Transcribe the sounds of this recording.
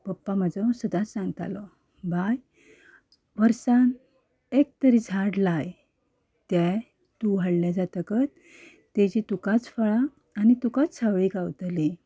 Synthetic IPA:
pəpːaməd͡zəsəd̪at͡ssãŋɡt̪a̰lɔ | bʱaj | ʋəɾsan | ek̚t̪əɾid͡zʱaɽlaj | t̪ja | t̪uʋ̤ʱaɽljad͡zat̪əkət̪̚ː | ed͡ʑit̪ukat͡sfəɭaː | nit̪ukat͡st͡sʰaʋɭikawt̪li

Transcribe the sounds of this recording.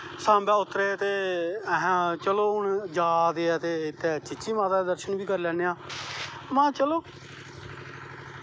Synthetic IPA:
sãːmbɛːʊt̪ːɾeːt̪eːɦt͡ʃəloːɦʊɳd͡ʒaːd̪eːɛːt̪eːɪt̪ːeːt͡ʃɪt͡ʃiːmaːt̪aːd̪əɾʃənbiːkəɾlɛːneːãː | mãːt͡ʃəloː

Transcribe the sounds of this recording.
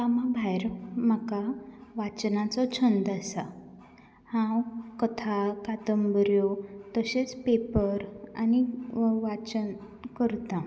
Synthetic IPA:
amabʱajɾm̤əkaʋat͡ɕnat͡sɔt͡ɕʰənd̪asa | hãwkət̪ʰakat̪əmbəɾjot̪əɕet͡spepəɾa̰niʋat͡ɕən | kəɾt̪ã

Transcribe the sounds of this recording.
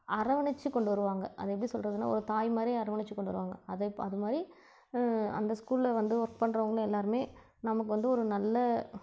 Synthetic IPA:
ɐɾɐʋɐɳɪt͡ʃːɯkːɔɳɖɯʋɐɾɯʋaːŋɡɐʔɐ̰ðɐɛp̬ːɐɽisɔlːrɾɐðɯnːa̰ːɔ̰ɾɯt̪aːjmɐɾijɐɾɐʋɐɳɪt͡ʃːɯkːɔɳɖɯʋɐɾɯʋaːŋɡɐɐðɐpːɐðɯmaːd̪ɾi | ɐ̰nd̪ɐskuːlɪlɐʋɐnd̪ɯʋɐɾk̚pɐɳːɾɐʋɐŋɡɐɭ̃ɛlːaːɾɯmeː | nɐmɐk̬ːɯʋɐnd̪ɯɔɾɯnɐlːɐ

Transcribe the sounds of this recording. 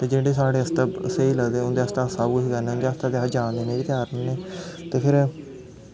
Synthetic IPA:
t̪eːd͡ʒeːɖeːsaːɽeːəst̪aseːiːləɡd̪eːʊnd̪eːəst̪aːsaːbkʊʃiːkɛːneːʊnd̪eːəst̪aːd̪eaːd͡ʒãːnd̪eːnẽːʋiːt̪jaːɾnːneːt̪eːpʰɪɾ

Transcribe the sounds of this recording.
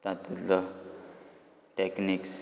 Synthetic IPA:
t̪ãt̪ulə | ʈekniks

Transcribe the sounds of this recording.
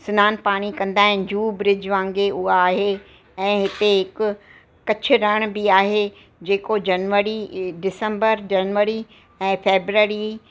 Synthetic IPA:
sʊnaːnpaːɽ̃ikɐ̃nd̪aːɦɪ̃nd͡ʑuːbɾɪd͡ʑʋãːŋɡeʔʊɦaːɦe | ɛ̃ːɦɪt̪eɦɪkʊ̆ː | ɐt͡ɕʰʊ̆ɾɐɽ̃biaːɦe | d͡ʑeːkod͡ʑɐnʋəɾiɖɪsə̃mbəɾd͡ʑɐnʋəɾi | ɛ̃ːfeːbɾəɾi

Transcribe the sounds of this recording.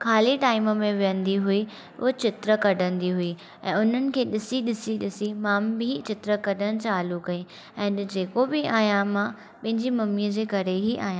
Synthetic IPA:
kʰaːliʈaːɪməmẽʋijə̃nd̪iɦʊi | ʊ̰ɦot͡ɕɪt̪ɾəkɐɖʱə̃nd̪iɦʊi | ɛ̰̃ːʊn̤ənɪ̆kʰeːɗɪsiɗɪsiɗɪsimaːmbɪt͡ɕɪt̪ɾəkɐɖʱəɽ̃t͡ɕaːlukɐĩ | ɛ̃ːd͡ʑeːkobɪaːjãmã | pɐ̃ɦɪ̃ɲd͡ʑimɐmiəd͡ʑeːkɐɾeɦiʔa̰ːɦjã

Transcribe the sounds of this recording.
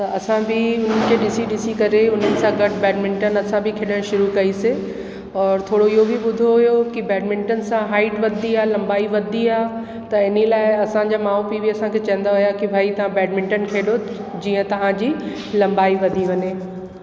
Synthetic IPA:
t̪ɐʔɐsãbɪʊn̤ənkʰeːɗɪsiɗɪsikɐɾeʊn̤ənɪ̆sãɡɐʈʰbɛːɖmɪ̃ɳʈənɐsãbʱɪkʰeːɗəɽ̃ʃʊɾukɐise | ɔːɾt̪ʰoːɽoɪɦobʱiɓʊd̪ʱoɦʊjokibɛːɖmɪ̃ɳʈənsãɦaːɪʈʋɐd̪ʱiaːlɐ̃mbaːiʋɐd̪ʱiaː | t̪ɐɪnilaːɪɐsãd͡ʑaːmaːopibʱiɐsãkʰeːt͡ɕɐ̃ɦə̃nd̪aɦʊjakibʱaːit̪ɐʋ̤ãbɛːɖmɪ̃ɳʈənkʰeːɗo | d͡ʑiːə̃t̪ɐʋ̤ãd͡ʑiː | lɐ̃mbaːiʋɐd̪ʱiʋɐɲeː

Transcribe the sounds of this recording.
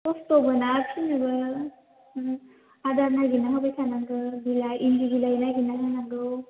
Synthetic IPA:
ɔst̪obɯnakʰinɯbɯ | ad̪aɾnaɡinaŋabajsanaŋɡɯbilaiŋɡiɡilainaɡinasanaŋɡɯw

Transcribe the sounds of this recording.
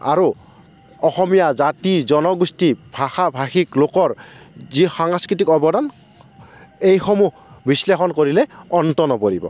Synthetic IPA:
a̰ɹo | ɔxɔmijazatizɔnɔɡustibʱaxabʱaxiklokɔɹzixaŋskɹit̬ikɔbɔdan | ejxɔmu | bislexɔnkoɹilɛɔntɔnɔpoɹibɔ̰

